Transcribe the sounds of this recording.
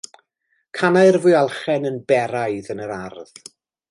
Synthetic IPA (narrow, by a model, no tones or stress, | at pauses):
kʰanaɨrvʊjalˠχɛnənbɛɾajðənəɾarð̥